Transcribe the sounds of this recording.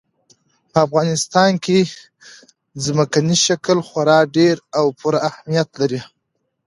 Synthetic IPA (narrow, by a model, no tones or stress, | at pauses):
pəafɣɑnɪst̪ɑnke | zməkaniʃaklxwaɾɑɖeɾawpʰuɾaahmijat̪laɾi